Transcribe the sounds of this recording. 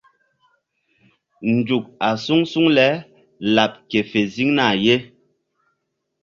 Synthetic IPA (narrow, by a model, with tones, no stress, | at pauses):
n̩˨d͡ʒu˨k̚a˨su˦ŋsu˦ŋlɛ˨˦ | la˨p̚ke˨fe˨zi˦ŋna˦˨je˦